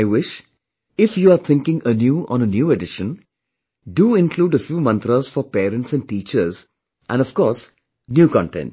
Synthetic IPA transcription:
aɪʋɪʃ | ɪfjuːaːɾt̪ʰɪ̃ŋkɪ̃ŋənjuːʔɔ̰̃ːnənjuːeɖɪʃə̃n | ɖuːɪ̃nkʰluːɖəfjuːmʌ̃nt̪ɾəz̥fɔɾpeːɾə̃ɳʈsæ̃ɳɖ̚ʈiːt͡ʃəɾz | ʔæ̰̃nɖɔfkɔːɾs | njuːkɔ̰̃ɳʈɛ̰̃nʈ

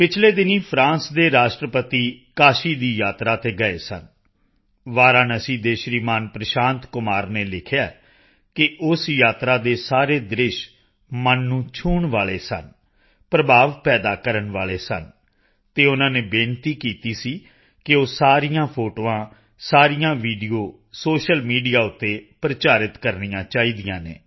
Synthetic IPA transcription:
pɪt͡ʃʰleːd̪ɪniːpʰɾãːnsd̪eːɾaːʃʈɾəpət̪iːkaːʃiːd̪iːjaːt̪ɾaːt̪eːɡəḛːsə̰n | ʋaːɾãːnəsĩːd̪eːʃɾiːmaːnpɾəʃãːnt̪kʊmaːɾneːlɪkʰjaː | kɪʔʊsjaːt̪ɾaːd̪eːsaːɾeːd̪ɾɪʃ | mənːũːt͡ʃʰuːɳʋaːɭeːsə̰n | pɾəbʱaːʋpɛːd̪aːkəɾəɳʋaːɭeːsə̰n | t̪eːʊnãːneːbẽːnt̪iːkiːt̪iːsiː | kɪoːsaːɾijãːpʰoːʈoːãː | saːɾijãːʋiːɖioː | soːʃəlmiːɖijaːʊt̪ːeːpɾət͡ʃaːɾɪt̪kəɾnijãːt͡ʃaːiːd̪ɪjãːnḛː

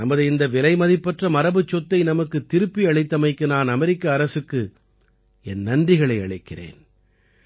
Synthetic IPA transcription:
nɐmːɐðɯɪnd̪ɐʋɪlɐɪmɐðɪpːɐʈrɐmɐɾɐbɯt͡ʃːɔt̪ːɐɪnɐmɐkːɯt̪ːɪɾɯpːiɐɭɐɪt̪ːɐmɐɪkːɯnaːnɐmɛɾɪkːɐːɾɐsɯkːɯ | ɛnːɐndrɪɣɐɭɐɪɐ̰ɭɐɪkːɪrḛːn

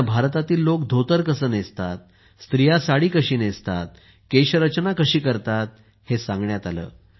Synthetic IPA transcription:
bʱaɾt̪at̪iːlːokd̪ʱot̪əɾkəsəːnest̪at̪̚ | st̪ɾijasaɽiːkəɕiːnest̪at̪̚ | keɕəɾət͡ɕnakəɕiːkəɾt̪at̪̚ | hesãŋɡɳjat̪alə̰ː

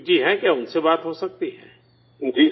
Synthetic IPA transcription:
d͡ʒiːɦɛ̃kjaːʊnsebaːt̪ɦosɐk̚t̪iɦɛ̰̃ː | d͡ʒiː

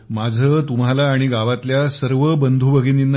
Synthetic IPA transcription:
mad͡zʱəːt̪um̤alaːɽ̃iɡaʋat̪ljasəɾʋəbənd̪ʱuːbəɡʱiːninːə

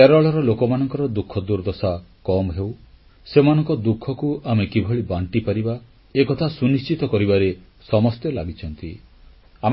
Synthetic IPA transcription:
keɾɔɭɔɾɔlokɔmanɔŋkɔɾɔd̪ukʰːɔd̪uɾd̪ɔsakɔmɦew | semanɔŋkɔd̪ukʰːɔkuamekibʱɔɭibaɳʈipaɾiba | ekɔt̪ʰasunist͡ʃit̪ɔkɔɾibaɾe | sɔmɔst̪elaɡit͡ʃʰɔnt̪i | a

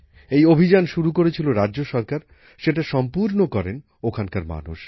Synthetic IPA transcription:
ejobʱid͡ʑanʃuɾukoɾet͡ɕʰiloɾadːʑoʃɔɾkaɾ | ʃeʈaʃɔmpuɾnokɔɾen | okʰankaɾma̰nuʃ

